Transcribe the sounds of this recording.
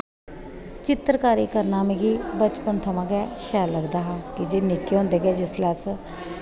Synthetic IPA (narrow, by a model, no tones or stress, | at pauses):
t͡ʃɪt̪ɾəkaːɾiːkəɾnaːmẽːɡiːbət͡ʃpənt̪ʰəmãːɡɛːʃɛːlːəɡd̪aːɦaːkɪd͡ʒeːnɪkːeːɦõːnd̪eːɡɛːd͡ʒɪslɛːs